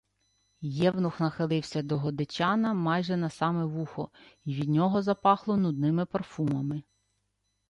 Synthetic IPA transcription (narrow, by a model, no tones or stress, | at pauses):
jɛwnʊxnɐxɪlˠɪwsʲɐd̪ɔɦɔd̪et͡ʃʲɑnɐmɑjʒɛnɐsɑmɛʋuxɔiʋʲid̪ʲnʲɔɦɔzɐpɑxlˠɔnʊd̪nɪmɪpɐrfumɐmɪ